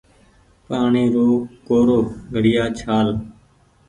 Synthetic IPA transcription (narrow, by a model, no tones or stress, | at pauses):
paːɳiːɾoːkoːɾoːɡʱəɽɪjaːt͡ʃʰaːl